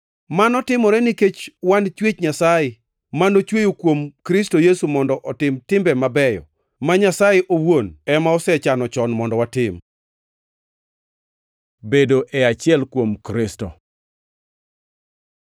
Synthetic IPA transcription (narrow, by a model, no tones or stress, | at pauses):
manɔtɪmɔɾɛniket͡ʃwant͡ʃwet͡ʃɲasajɪ | manot͡ʃwejokwomkɾɪstojesumɔndɔʔɔtɪmtɪmbɛmabɛjɔ̰ | maɲasajeʔowonɛmaɔsɛt͡ʃanɔt͡ʃɔnmɔndɔwatɪm | bedoʔɛat͡ʃɪɛlkwomkɾɪsto